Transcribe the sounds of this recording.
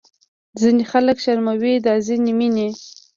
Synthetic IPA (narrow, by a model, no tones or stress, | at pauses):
zinixaləkʃaɾmawid̪ɑzinimine